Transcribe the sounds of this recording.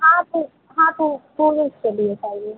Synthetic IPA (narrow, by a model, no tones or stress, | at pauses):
ɦãt̪o | ɦãːt̪opoːneskeliet͡ʃaːɦie